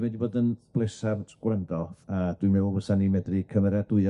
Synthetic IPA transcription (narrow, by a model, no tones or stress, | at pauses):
mɛdiboːdənb̥lˠesardɡ̥wrəndɔðad̥wɨmɛwbəsanimɛdrikʰəmɛɾjadʊɨa